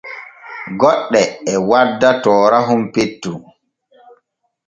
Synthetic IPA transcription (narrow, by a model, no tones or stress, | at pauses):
ɡɔɗːɛɛwadːatɔːɾaɦumpetːu